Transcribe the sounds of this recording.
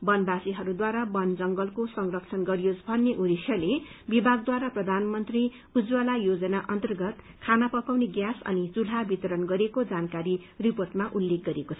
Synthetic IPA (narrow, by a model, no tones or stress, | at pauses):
bʌnbasiɦʌɾud̪waɾabʌnd͡zʌŋɡʌlkosʌŋrʌk̚t͡sʰʌnɡʌɾijosbʱʌnːeʔuɾisjʌlebibʱaɡ̚d̪waɾaprʌd̪ʱanmʌnt̪ri | ud͡zwalajod͡zʌnaʔʌnt̪ʌrɡʌt̪ | kʰanapʌkawneɡjasʌ̰nit͡sulɦabit̪ʌɾʌnɡʌɾekod͡zankaɾiriporʈmaʔulːek̚ɡʌɾekot͡sʰʌ